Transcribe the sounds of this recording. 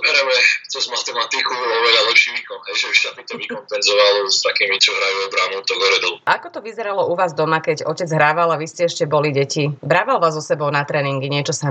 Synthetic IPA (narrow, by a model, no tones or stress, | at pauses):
ɦɾamɛt͡sɛzmat̪ɛmat̪ikuɔʋɛlalɛpʃiʋikɔnɦɛjʒɛʃat̪it̪ɔʋikɔmpɛnzɔʋalst̪akiːmit͡ʃɔɦɾajuɔbɾanɔʊt̪ɔɡɔɾɛd̪ɔlʔakɔt̪ɔʋizɛɾalɔʔuʋaːzd̪ɔmakɛɟɔcɛd͡zɦɾaːʋalaʋiscɛɛʃcɛbɔliɟɛcibɾaːʋalʋaːzɔsɛbɔʊnat̪ɾɛːniŋɡiɲɪɛt͡ʃɔsa